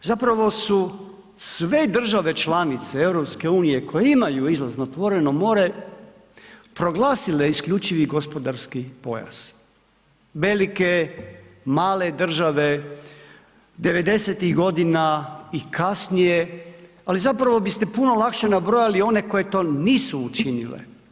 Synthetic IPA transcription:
zapɾaʋo̞su | sʋe̞d̪r̩ʒaʋe̞t͡ʃlanit̪see̞wɾo̞pske̞uːnije̞ko̞jeimajuizlˠaznot̪ʋo̞ɾe̞nomo̞ːɾe̞ | pɾo̞ɡlˠaːsile̞iskʎʲut͡ʃiʋiɡo̞spo̞d̪aɾskipo̞̰ja̰s | ʋe̞like̞ | maːle̞d̪r̩ʒaʋe | d̪e̞ʋe̞d̪e̞set̪iɣɡo̞d̪inaikasnije | alizapɾaʋo̞bist̪e̞puno̞lakʃe̞nabɾo̞jalio̞ne̞ko̞je̞t̪o̞ːniːsuːt͡ʃinḭlḛ

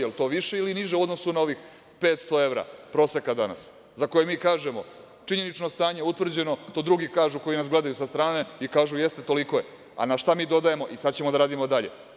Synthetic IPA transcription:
jelt̪o̞ːʋiʃe̞iliniʒeuod̪nosunao̞ʋix | pe̞ːt̪st̪o̞e̞ʋɾa̰pɾo̞ːse̞kad̪ana̰s | zako̞jemiːkaːʒemo̞ | t͡ʂiɲe̞nit͡ʃno̞st̪aːɲe̞ut̪ʋr̩d͡ʑe̞no̞t̪od̪ɾuɡikaːʒuko̞jinasɡle̞d̪ajusast̪ɾaːne̞ikaːʒujest̪e̞t̪o̞liko̞je | a̰naʃt̪amiːd̪o̞d̪aje̞mo̞ʔisad̪t͡ɕemod̪aɾaːd̪imod̪aʎe̞̰

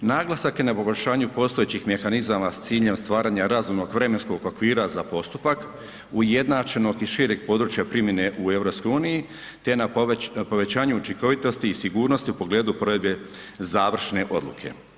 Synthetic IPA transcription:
naːɡlˠasakje̞napo̞ɡo̞ʎʲʃaːɲupo̞ːst̪o̞et͡ɕixme̞xanizamast̪siːʎe̞mst̪ʋaːɾaːɲaɾazumno̞ɡʋɾe̞me̞nsko̞ɡo̞kʋiːɾazapo̞st̪upak | uje̞d̪naːt͡ʃe̞no̞ɡiʃiɾeɡ̚po̞ːd̪ɾuːt͡ʃjapɾimje̞ne̞ʔue̞vɾo̞psko̞juːniji | t̪e̞napo̞ʋe̞t͡ɕaːɲuut͡ʃiŋko̞ʋit̪o̞st̪iːsiɡuːɾno̞st̪iupo̞ɡle̞ːd̪upɾo̞ed̪be̞ | zaːʋr̩ʃne̞ʔo̞̰d̪lṵkʰe̞̰

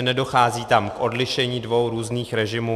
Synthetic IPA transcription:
nɛdo̞xaːziːt̪amkʔo̞dlɪʃɛɲiːdvo̞wɾuːzniːxɾɛʒɪmuː

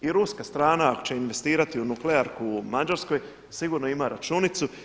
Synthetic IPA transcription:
iɾuskast̪ɾaːnaakot͡ɕt͡ʃe̞inʋe̞st̪iːɾat̪iunukleaɾkumad͡ʒaɾsko̞j | siɡuːɾnoimaɾat͡ʃunit̪su

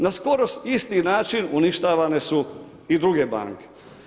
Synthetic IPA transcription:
nasko̞ɾost̪ist̪inaːt͡ʃinuniʃt̪aːʋane̞su | id̪ɾuɡeba̰ŋke̥

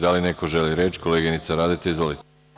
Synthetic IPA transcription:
d̪alineko̞ʒeliɾet͡ʃko̞leɡinit̪saɾaːd̪it̪eizʋo̞lit̪

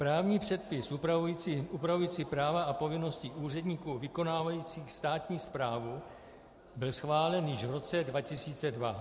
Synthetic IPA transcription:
pɾaːvɲiːpr̝̥ɛt̪̚pɪsupɾaujit͡siʔupɾavujiːt͡siːpɾaːvaʔapo̞vɪno̞sciʔuːr̝ɛdɲiːkuːvɪko̞naːvajiːt͡siːxst̪aːt̪ɲiːspɾaːvu | bɪlsxvaːlɛnjɪʃvɾo̞t͡sɛdvacɪsiːt͡sɛdva

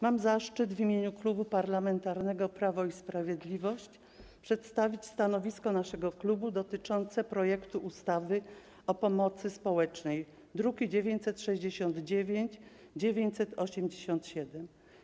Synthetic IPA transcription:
mamzaʂt͡ʂɘd̪vʲimʲjeɲuklubupaɾlamɛnt̪aɾnɛɡɔpɾavɔispɾavʲjed̪lʲivɔɕt͡ɕ | pʂɛt̪st̪avʲit͡ɕst̪anɔvʲiskɔnaʂɛɡɔklubud̪ɔt̪ɘt͡ʂɔnt̪sɛpɾɔjɛkt̪uʔust̪avɘ | ɔpɔmɔt̪sɘspɔwɛt͡ʂnɛj | d̪ɾuɡʲid͡ʑevʲjeɲt͡ɕsɛt̪ʂɛʑd͡ʑeɕɔnd̪d͡ʑevʲjeɲt͡ɕ | d͡ʑevʲeɲt͡ɕsɛt̪ɔɕɛmd͡ʑeɕɔnt̪ɕɛd̪ɛm

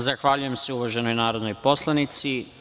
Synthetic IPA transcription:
zaxʋaʎuje̞mseuʋaʒe̞no̞jnaːɾo̞d̪nojpo̞slˠanit̪si

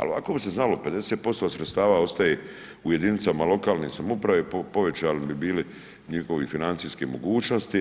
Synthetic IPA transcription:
a̰loʋako̞bise̞znalo̞pe̞d̪e̞seːt̪̚po̞st̪osɾet̪st̪aːʋao̞st̪aje | uje̞d̪init̪samalˠo̞kaːlnisamupɾaʋepopo̞ʋe̞t͡ɕaːlnibibiːli | ɲixo̞ʋifinant̪siːskemo̞̰ɡuːt͡ʃno̞st̪i

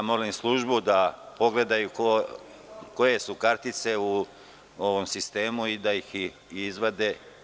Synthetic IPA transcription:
amo̞limslˠuʒbud̪apo̞ɡle̞d̪ajuk | ko̞je̞sukaɾt̪it̪se̞u | o̞ʋomsist̪e̞ːmuid̪ajix | izʋod̪e̞

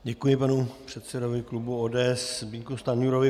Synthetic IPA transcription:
ɟɛkujɪpanupr̝̥ɛt̪sɛdovɪklubuoːdɛːɛsbiŋkust̪anuɾovɪ

